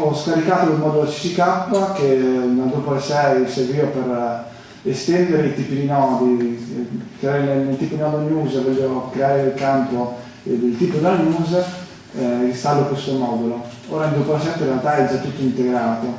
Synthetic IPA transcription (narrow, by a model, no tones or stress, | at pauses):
ɔskaɾikaːt̪od̪elmɔːd̪ulot͡ʃi̥sikapːakenad̪opolasɛjserviːopeɾ | est̪ɛnd̪eɾeit̪iːpid̪inɔːd̪i | kɾeaɾenenelt̪iːpod̪inɔːd̪ɲuːzvɔlːokɾeaːɾelkant̪o | d̪elt̪iːpod̪lanuːz | st̪alːokwest̪omɔːd̪ulo | oːɾaind̪opolasɛmt̪oĩrealt̪aɛd͡ʒat̪ːut̪ːoint̪eɡɾaːt̪o